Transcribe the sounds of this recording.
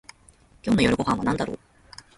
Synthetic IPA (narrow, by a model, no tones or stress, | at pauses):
kʲoːnojo̞ɾɯ̟ɡo̞hãɰ̃βanãnd̪aɾo̰ː